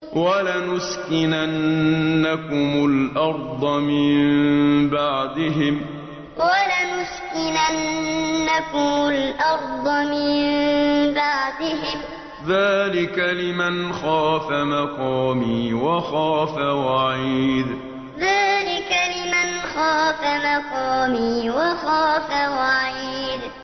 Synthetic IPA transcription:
walanʊskɪnanːakʊmʊlʔɑɾˤd̪ˤɑmɪmmbaʕd̪ɪɦɪm | walanʊskɪnanːakʊmʊlʔɑɾˤd̪ˤɨmɪmbaʕd̪ɪɦɪm | ðaːlɪkalɪmanxaːfamɑqɑːmiːwaxaːfawaʕiːd̪ | ðaːlɪkalɪmanxaːfamɑqɑːmiːwɑxaːfawaʕiːd̪

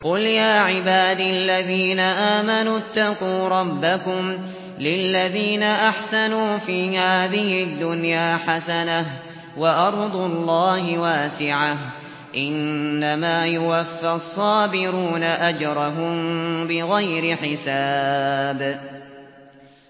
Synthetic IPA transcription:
qʊljaːʕɪbaːd̪ialːaðiːnaʔaːmanut̪ːaquːɾˤɑbːakʊm | lɪlːaðiːnaʔaħsanuːfiːhaːðɪhɪd̪ːʊnjaːħasanah | waʔɑɾˤd̪ˤʊlˤːɑːhɪwaːsɪʕah | ʔɪnːamaːjʊwafːasˤːɑːbɪɾuːnaʔad͡ʒɾˤɑɦʊmbɪɣajɾɪħɪsaːb

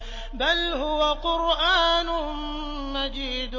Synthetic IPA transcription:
balɦʊwaqʊɾʔaːnʊ | mad͡ʒiːd̪

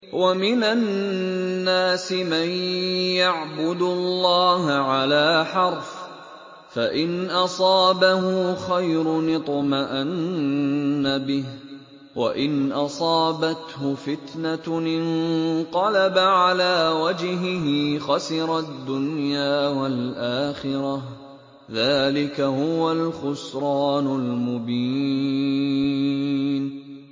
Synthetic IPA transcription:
wamɪnanː | aːsɪmanjaʕbʊd̪ʊlːɑːhaʕalaːħɑɾˤf | faʔɪnʔɑsˤɑːbaɦʊxajɾʊnɪt̪ˤmaʔanː | abɪh | wa̰ʔɪnʔɑsˤɑːbat̪hʊfɪt̪naɪnq̪ɑlabaʕalaːwad͡ʒɦɪɦɪxɑsɪɾˤɑd̪ːʊnjaːwalʔaːxɪɾɑh | ðaːlɪkahʊwalxʊsɾˤɑːnʊlmʊbiː | n

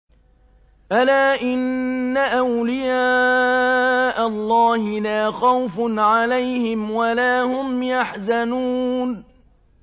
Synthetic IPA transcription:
ʔalaːʔɪnːaʔawlɪjaː | ʔalˤːɑːhɪlaːxawfnʕalajhɪmwalaːhʊmjaħzanuːn

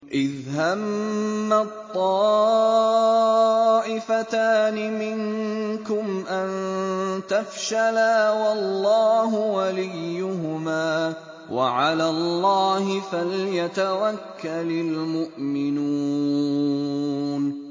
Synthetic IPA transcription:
ʔɪðɦamːat̪ˤːɑː | ʔɪfat̪aːnɪmɪŋkʊmʔant̪afʃalaːwɑlːɑːɦʊwalɪjːʊɦʊmaː | wa̰ʕalaːlːɑːhɪfaljat̪awakːalalmʊʔmɪnuː | n

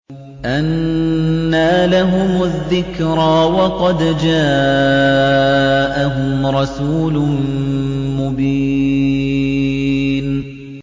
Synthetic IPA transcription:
ʔanː | aːlaɦʊmʊðːɪkɾaːwɑqɑd̪d͡ʒaː | ʔaɦʊmɾˤɑsuːlʊ | mʊbi | n

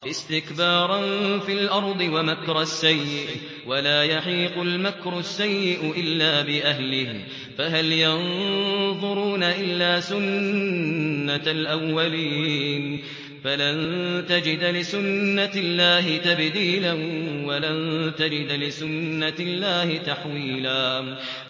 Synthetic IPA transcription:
ʔɪst̪ɪkbɑːɾˤɑnfilʔɑɾˤd̪ˤɨwamakɾˤasːajːɪʔ | walaːjaħiːqʊlmakɾʊsːajːɪʔʊʔɪlːaːbɪʔaɦlɪh | faɦaljɑnðˤʊɾuːnaʔɪlːaːsʊn | alʔawːaliːn | falant̪ad͡ʒɪd̪lɪsʊnːalːaːɦɪt̪abd̪iːlanwalant̪ad͡ʒɪd̪lɪsʊnːalːaːhɪt̪aħwiːlaː

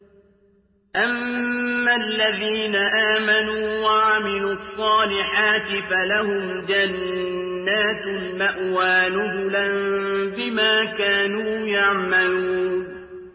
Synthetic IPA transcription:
ʔamː | alːaðiːnaʔaːmanuːwaʕamɪluːɑsˤːɑːlɪħaːt̪ɪfalahʊm | d͡ʒanː | aːt̪lmaʔwaːnʊzʊlanbɪmaːkaːnuːjaʕmaluːn

